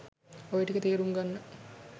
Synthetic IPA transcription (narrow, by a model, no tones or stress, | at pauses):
oʋiʈːikːɐt̪iːɾuŋɡɐnːɨ